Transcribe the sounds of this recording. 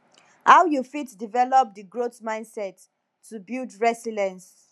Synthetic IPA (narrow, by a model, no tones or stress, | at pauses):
haʊjufitdivɛlɔp̚diɡɹotmãɪ̃ndsɛtː | ubildɹɛsilɛ̃ns